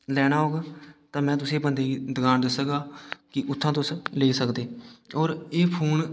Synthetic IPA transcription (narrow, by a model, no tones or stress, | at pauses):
lɛːɽ̃aːɦoːɡaːt̪ãːmɛ̃ːt̪̬ʊsẽːbənd̪eːiːd̪əɡaːnd̪əsəɡaːkɪʔʊt̪ʰːãːt̪ʊsleːiːsəkd̪eːɔːɾeːpʰuːn